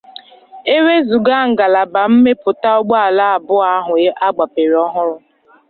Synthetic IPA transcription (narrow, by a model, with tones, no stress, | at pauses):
e˦we˦zu˨ɡa˦ŋ̩˨ɡa˨la˨ba˨m̩˦me˦pʊ˨ta˦ɔ˦ɡ͡ba˦a˨la˦a˨bʊ˦a˦ɦʊ˨˦ʔa˦ɡ͡ba˨pe˨ɾɔ˦ɦʊ˦ɾʊ˦